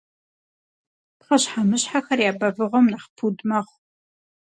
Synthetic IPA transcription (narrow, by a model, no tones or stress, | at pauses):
pχɐɕħamɨɕħaxɐrjaːbɐvɨʁɐmnaχpʰudmɐχʷ